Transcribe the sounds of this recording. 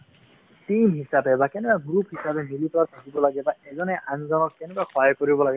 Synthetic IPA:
timɦisabɛbakɛnɛkwaɡɾupɦisabɛnilipat̪ʰakibɔlaɡɛbaɛzɔnɛʔaŋzɔnɔkːɛnɛkwaxʰɔɦajkoɹibɔlaɡɛ

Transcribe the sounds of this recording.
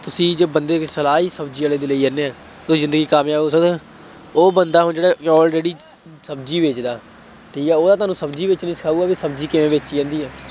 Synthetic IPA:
t̪ʊsĩːd͡ʒeːbənd̪eːksəlaːɦiːsəbd͡ʒiːaːleːd̪eːləiːənːeːɛː | oːzɪ̃nd̪əɡiːkaːmjaːoːsəd̪ | oːbənd̪aːɦʊnd͡ʒeːɽaːkɔːld͡ʒeːɽiː | səb̚d͡ʒiːʋɪt͡ʃd̪aː | ʈʰiːkɛːoːd̪aːt̪ʊaːnũːsəbd͡ʒiːʋɪt͡ʃnəĩːsə̥kʰaːuːaːbiːsəbd͡ʒiːkɪʋẽːʋɪt͡ʃiːə̃ːnd̪iːɛː

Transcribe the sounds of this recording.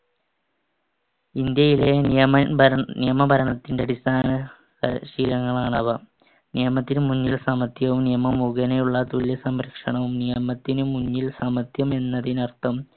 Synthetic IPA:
ind̪jɐjileijɐnijɐmɐbʱɐɾɐɳɐt̪ːinɖeɐɽist̪ʰaːnɐ | kɐ̰ʂiːɾɐŋːɐɭaːɳɐʋɐ | nijɐmɐt̪ːinumuɲːilsɐmɐt̪jɐʋumnijɐmɐmuɣɐnejuɭːɐt̪uljɐsɐmɾɐkʂɐɳɐʋumnijɐmɐt̪ːinumuɲːilsɐmɐt̪jɐme̞nːɐðinɐrt̪ʰɐm

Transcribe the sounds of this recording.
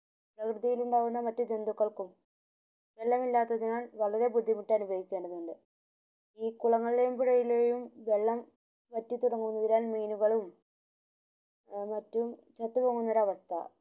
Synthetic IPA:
prɐkrɨðijiluɳɖaːʋunːɐmɐtːud͡ʑend̪ukːɐɭkum | ʋe̞lːɐmilːaːt̪ːɐðinaːɭʋɐɭɐɾe̞bud̪ʱːimiʈːɐnubʱɐʋikʲːe̞ːɳɖɐðuɳɖɨ | iːkuɭɐŋːɐɭile̞jumpiɽɐjilejumʋe̞ɭːɐm | ʋɐtːit̪uɽɐŋːuʋnːɐðinaːnmiːnuɣɐɭum | mɐtːumt͡ɕɐt̪ːupoŋːunːoɾɐʋɐst̪ʰɐ̰

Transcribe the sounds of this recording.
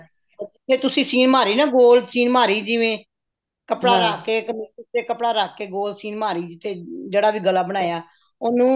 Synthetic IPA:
d͡ʒɪt̪ʰːeːt̪ʊsĩːsiːnmaːɾiːnãːɡoːlsiːnmaːɾiːd͡ʒɪʋẽː | kəpɽaːɾaːkːeːkəmːʊt̪ʰeːkəpɽaːɾaːkːeːɡoːlsiːnmaːɾiːd͡ʒɪt̪ʰːeːd͡ʒeːɽaːʋiːɡəlaːbəɽ̃aːjaː | oːnũː

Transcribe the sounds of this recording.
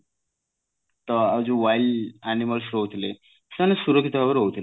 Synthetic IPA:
t̪əad͡zuʋajlæniməlsɾowt̪ʰle̥ | sanesuɾəkʰit̪abəɾowt̪l

